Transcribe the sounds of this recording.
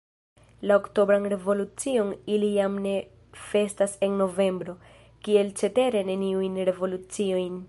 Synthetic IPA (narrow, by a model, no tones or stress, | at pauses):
laokto̞bɾanɾe̞vo̞lut͡sio̞nilijamne̞ | fe̞stase̞nno̞ve̞mbɾo̞ | kie̞lt͡ʃe̞te̞ɾe̞ne̞niujnɾe̞vo̞lut͡sio̞jn